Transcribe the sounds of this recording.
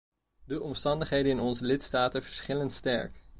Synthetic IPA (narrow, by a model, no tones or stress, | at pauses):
dəʔɔmstɑndəχɦejdənɪnɔnzəlɪtstaːtəv̥əɹsχɪləntstɛ̰ɹk